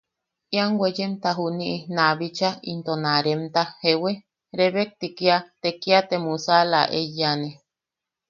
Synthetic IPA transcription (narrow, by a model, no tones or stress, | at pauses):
iaŋɡwed͡ʒemt̪aɦuniʔinaβit͡ʃaḭnt̪onaɾemt̪ahewe | ɾeβek̚t̪ikiat̪ekiat̪emusala̰ʔejane